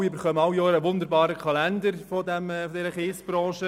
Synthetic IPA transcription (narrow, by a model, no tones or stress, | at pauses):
iɪbəɾχœməɑwjɔːɾəʋʊnd̪əɾbɑːɾəkʰɑlændəɾfɔdɛmfɔdɛɾəχeːsb̥ɾɑ̃ːʃə